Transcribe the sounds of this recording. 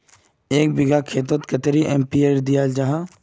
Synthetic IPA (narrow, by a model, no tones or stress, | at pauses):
eːk̚bɪɡakʰeːt̪̬ət̪kɐt̪ɾiʔempieːɾd̪ijaːld͡ʒaɦã